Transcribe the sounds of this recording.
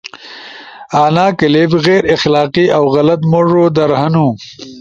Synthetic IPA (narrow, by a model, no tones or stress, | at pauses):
aːnaːkɪlebɣeːɾɪxlaːqiʔawɣɐlɐt̪moʐod̪ɐɾhɐnu